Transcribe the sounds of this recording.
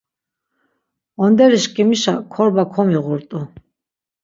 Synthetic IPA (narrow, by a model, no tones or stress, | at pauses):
ɔnd̪ɛɾiʃkʼimiʃa̰kʰɔɾbakʰɔmiʁuɾt̪ʼu